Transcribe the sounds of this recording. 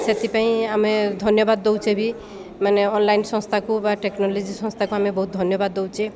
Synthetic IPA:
set̪ipãĩamed̪ʱɔnjɔbad̪ːowt͡ʃʰebʱi | maneɔnlajnsɔ̃st̪ʰakubaʈeknɔlɔd͡ʒisɔ̃st̪ʰakuamebɔɦut̪̚d̪ʱɔnjɔbad̪ːowt͡ʃʰe

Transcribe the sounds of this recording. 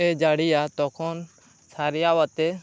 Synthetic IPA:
ed͡ʒaːɽijat̪ɔkʰɔn | sʰaːɾijawat̪e

